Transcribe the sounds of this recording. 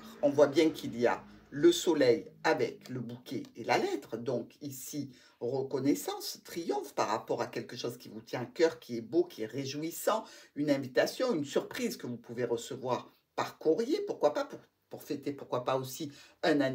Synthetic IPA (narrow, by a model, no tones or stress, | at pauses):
ɔ̃vwabjɛ̃kʰilija̰ləsɔlɛjavɛkləbukʲeelalɛt̪χd̪ɔ̃kisi | ʁəkɔnɛsɑ̃st̪χijɔ̃fpa̰ʁːa̰pɔʁakʲɛlkəʃɔzkʲivut̪jɛ̃akœʁkʰʲiɛbokʲiɛʁeʒuisɑ̃ynɛ̃vit̪asjɔ̃ynsyʁpχizkəvupuveʁəsəvwaʁ | paʁkuʁjepuʁkwapapuʁ | puʁfet̪epuʁkwapaosiɛ̃na